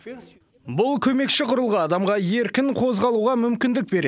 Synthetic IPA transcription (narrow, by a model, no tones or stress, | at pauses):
bʊlˠkʲʰɵme̞kʃɪqʰʊɾəlˠʁɑɑd̪ɑmʁɑje̞ɾkʲɪŋqʰo̞zʁɑlˠuʁɑmʏmkʲɪnd̪ɪk̚be̞ɾe